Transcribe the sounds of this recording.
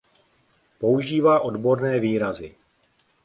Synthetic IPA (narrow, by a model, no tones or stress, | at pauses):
po̞uʒiːvaːʔo̞dbo̞ɾnɛːviːɾazɪ